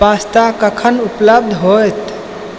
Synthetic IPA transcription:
bast̪akəkʰənupləb̚d̪ʱɦojt̪

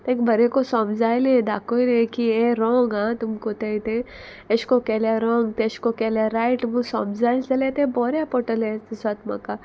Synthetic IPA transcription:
t̪ẽkbɐɾekosɔ̃ːmzaːjlẽd̪a̰ːkoilẽkiẽɾɔ̃ːŋɡãːt̪ʊmkot̪eit̪ẽ | eʃkokɛlaɾɔ̃ːŋɡt̪eʃkokɛlaɾaːɪʈmũsɔ̰ːmzaːjlt͡ʃɐlet̪ẽbɔːɾjapɔːʈəlɛ̃sat̪mɐ̰kːa

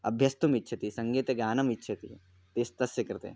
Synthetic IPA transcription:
ɐ̰bʱjɐst̪umitːʃʰɐt̪isɐ̃ŋɡeːt̪eɡaːnɐmitːʃʰɐt̪i | t̪eːst̪ɐsjɐkɐɾt̪ḛ

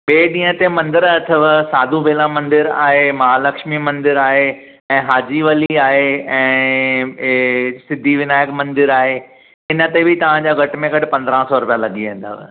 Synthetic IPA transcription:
ɓeːɗĩːət̪emɐ̃nd̪ɪɾɐʈʰəʋsaːd̪ʱubʱeːlãmɐ̃nd̪ɪɾa̰ːɦemɐɦalɐkʃmimɐ̃nd̪ɪɾaːɦe | ɛ̃ːɦaːd͡ʑiʋɐliaːɦeɛ̃ː | sɪd̪ʱiʋɪnaːjəkmɐ̃nd̪ɪɾaːɦe | ɪnə̆t̪ebʱɪt̪ɐʋ̤ãd͡ʑaːɡʱɐʈmẽɡɐɖɪ̆pɐ̃nd̪ɾãsɔɾʊpijalɐɠiʋẽːn̆d̪a̰ːʋ̰

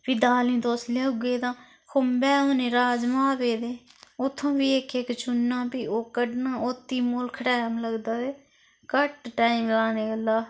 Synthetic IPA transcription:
piːd̪aːlĩːt̪oːsleːʊɡeːt̪ãː | kʰʊmbɛːoːnẽːɾaːd͡ʒmaːpeːd̪eːʊt̪ʰːõːbiːekekt͡ʃʊnːãːpiːoːkəɖnaːʔot̪ːiːmoːlkʰəʈaːamləɡd̪aːeː | kəʈʈaːiːmlaːneːɡəlaː

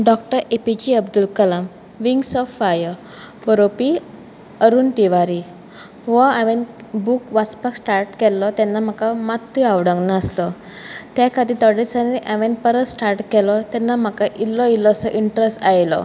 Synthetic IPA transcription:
ɖɔk̚ʈəɾepid͡ʑiəbd̪ulkəlam | ʋiŋɡsɔfajə | bəɾopi | əɾuːnt̪iʋaɾi | ʋãaʋenbukʋat͡spəksʈaɾʈkɛlːɔt̪ɛnːam̤akamat̪ːiaʋɽə̃ŋɡnaːslɔ | t̪akʰad̪it̪ɔɽisaneʔəʋẽnpəɾət̪sʈaɾʈkɛlɔt̪ɛnːam̤akaʔilːɔilːɔsɔʔiɳʈɾesʈajlɔ̰

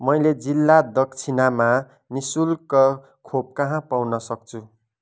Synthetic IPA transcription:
mʌjled͡zilːad̪ʌkt͡sʰinama | nisulkʌ | kʰob̚kʌɦãpawnʌsʌk̚t͡sʰu

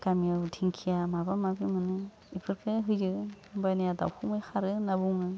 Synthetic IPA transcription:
kamijawdʰiŋkʰijamabamabimɯnɯ | ipʰɯɾkʰɯɦɯjd͡ʒɯ | bajnijada̰wkʰumɯjxʰaɾɯnabuŋɯ

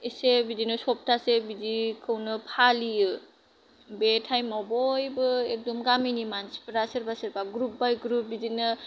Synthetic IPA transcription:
isebidinɯsɔp̚tʰasebidikʰɯwnɯpʰalijɯ | betʰajmɔbɔjbɯek̚dɔmɡaminimansi̥pɾasɯɾbasɯɾbaɡɾup̚bajɡɾup̚bidinɯ

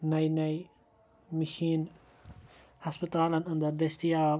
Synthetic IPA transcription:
nɐinɐj | miʃiːn | hɐspɪt̪aːlɐnɐ̃nd̪ɐɾd̪est̪ijaː

